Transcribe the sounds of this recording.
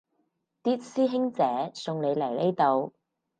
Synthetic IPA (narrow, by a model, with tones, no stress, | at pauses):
t̪iː˥t̚siː˥ɦɪ˥ŋt͡sɛː˨˥sʊ˧ŋle˨˧jlɐ˨˩jle˥jt̪o˧w